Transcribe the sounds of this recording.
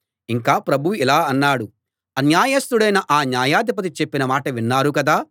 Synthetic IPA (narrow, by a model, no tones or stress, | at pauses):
iŋkaːpɾɐbʱuʋilaːɐnːaːɽu | ɐnjaːjɐst̪uɽɐjnɐʔaːnjaːjaːd̪ip̬ɐt̪̬it͡ʃepːinɐmaːʈɐʋinːaːɾukɐd̪aː